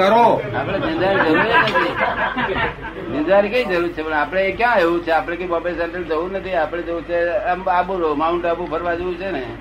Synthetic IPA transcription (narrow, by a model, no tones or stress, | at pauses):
əɾoapɽ̃ed͡ʒə̃nd̪aɾid͡ʒəɾuɾenət̪ʰi | d͡ʒənd̪aɾikeid͡ʒəɾuɾt͡ʃʰepəɳapɽ̃ekjãeʋũt͡ʃʰeapɽ̃ekoibɔbesɛɳʈəld͡ʒəunət̪ʰiapɽ̃ed͡ʒəũt͡ʃʰemabuɾomauɳʈabũpʰəɾʋad͡ʒəũt͡ʃʰene